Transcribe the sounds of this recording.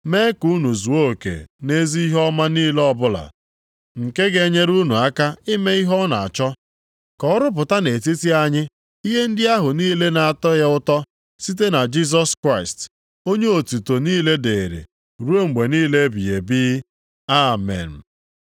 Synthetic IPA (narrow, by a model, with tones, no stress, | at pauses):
me˦ku˦nu˨zu˨o˦˨kḛ˨ne˦zi˦i˦ɦɔ˦ma˦niː˦le˦ɔ˦bʊ˦la̰˨ | ŋ̩˨ke˦ɡe˨˦ɲe˦ɾu˦nu˨a˦ka˦ɪ˦me˦i˦ɦɔ˦na˨a˨t͡ʃɔ˦ | kɔ˦ɾʊ˦p̬ʊ˨ta˦ne˨ti˦ti˦a˦ɲɪ˦ | i˦ɦe˦n̩˦dɪ˦a˦ɦʊ˨niː˦le˦na˨a˨tɔ˦ja˦ʊ˦tɔ˦ | si˦t̬e˦na˨d͡ʒi˦z̬ɔ˦skɾa˦˨ɪ˨st | o˦ɲe˦o˨tu˨to˨niː˦le˦de˨ɾḛ˨ | ɾu˦o˦ŋ͡m̩˨ɡ͡be˨niː˦le˦bi˨je˨bi˦ | a˦˨mɛ̰˨n̩˨